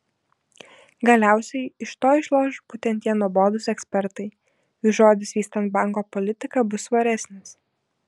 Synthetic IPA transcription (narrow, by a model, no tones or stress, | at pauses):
ɡɐlʲæˑʊsʲɛɪɪʃt̪oːɪʃlˠoːʒbuːt̪ʲɛnt̪ʲiɛnuɔboːd̪ʊsɛksʲpʲɛɾt̪ɐɪ | uːʒoːd̪ʲɪsʋʲiːst̪ɐnt̪̚bɐˑŋkoːpɔlʲɪt̪ʲɪkɐbʊsʋɐɾʲɛsʲnʲɪs